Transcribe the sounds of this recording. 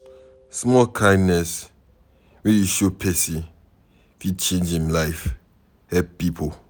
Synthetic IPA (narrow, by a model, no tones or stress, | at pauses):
smɔlkʰãɪ̃dnɛs | wɛjuʃopʰɛsi | fit͡ʃẽnd͡ʒĩmlaɪf | hɛp̚pipʰo